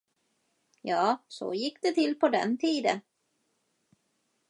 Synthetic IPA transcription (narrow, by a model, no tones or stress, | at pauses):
jɑːsɔ̰jɪkːd̪̥ɛt̪ʰɪlːpʰɔd̪ɛ̰nt̪ʰiːd̪ə̰n